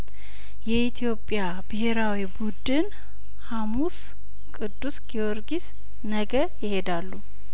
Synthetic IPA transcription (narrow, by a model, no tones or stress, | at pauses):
jɛʔit̪ʰijo̞pʼja | bɨɦe̞ɾawibud̪ɨn | hamus | kʼɨd̪ːusɡioɾɡis | nəɡəjɪhed̪alːu